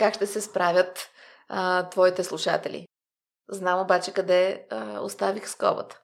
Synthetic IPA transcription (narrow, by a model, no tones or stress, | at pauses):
kakʃt̪ɛsɛspɾavʲjət̪ | t̪vɔit̪ɛslˠuʃa̰t̪ɛlʲḭ | znamobat͡ʃɛkɐd̪ɛəo̰st̪avixskɔ̰bə̰t̪ə̥